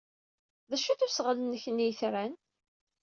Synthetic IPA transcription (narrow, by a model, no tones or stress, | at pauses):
ðæʃæθusʁələnːəçənːijəθɾæn